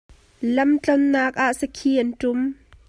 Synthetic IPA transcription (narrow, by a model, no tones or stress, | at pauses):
lɐmt͡ɬɔnːaːk̚ʔaʔsəkʰiːʔɐntʊm